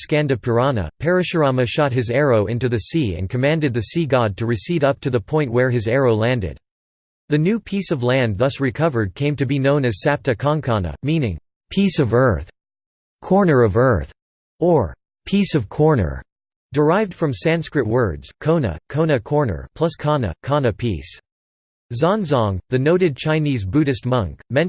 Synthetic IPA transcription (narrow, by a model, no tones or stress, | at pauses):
skæ̃ndɨpʰə˞ɑnə̰pʰɛɹɨʃə˞ɑmɨʃɑt̚ɦɨzɛɹoʊʔɪ̃ntʉðɨsiɨ̰̃nkʰɨmæ̃ndɨd̪̚ðɨsiɡɑd̚tʰɨɹɨsiɾʌp̚tʰɨðəpʰɔ̃ɪ̃nʔwə˞ɨzɛɹoʊlæ̃ndɨ̰d̪̥̚ | ðɨnʉpʰisʌvlæ̃nðʌsɹɨkʰʌvə˞d̚kʰẽɪ̃mtɨbinõʊ̃nɨz̥sæp̚tɨkʰɑ̃ŋkʰɑnə̰mĩnɪ̃ŋ | pʰisʌvɜ˞θ | kʰɔɹnə˞ʌvɜ˞θ | ə˞ | pʰisʌv̥kʰɔɹnə̰˞ | d̥ə˞aɪvd̥fɹʌ̃msæ̃nskɹɨt̚wɜ˞dz̥kʰõʊ̃nə̰kʰõʊ̃nɨkʰɔɹnə̰˞pʰl̥ʌskʰɑnɨ̰kʰɑnɨpʰḭs | zɑ̃nzɑ̃ŋðɨnoʊɾɨd̚t͡ʃʰãɪ̃nizbʉɾɨst̚mʌ̃ŋkmɛ̃n